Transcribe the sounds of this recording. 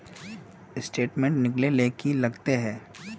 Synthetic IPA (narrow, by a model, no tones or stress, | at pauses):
ɪsʈeːʈmẽɳʈnɪkleleːkilɐɡt̪eɦɛ̃ː